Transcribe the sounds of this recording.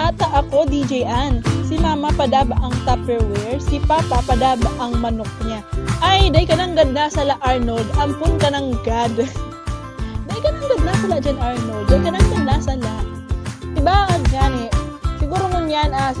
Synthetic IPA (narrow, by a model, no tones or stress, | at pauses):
t̪aːt̪ɐʔɐko̞d̪id͡ʒɛjʔansɪmaːmɐpɐd̪aːbaʔɐŋt̪apɛɹwɛɹsɪpaːpɐpɐd̪aːbaʔɐŋmɐnok̚ɲaʔɐjd̪ajkɐnɐŋɡɐd̪̚nasɐlaʔaɹnold̪ʔɐmpʊnkɐnɐŋɡad̪ | d̪alkɐnɐŋɡɐd̪̚nasɐlad͡ʒanʔaɹnold̪ːɐjkɐnaŋɡɐd̪̚nasɐlaʔ̪ | ɪbaɐɡaːnɛʔsɪɡuːɾomʊnjanʔa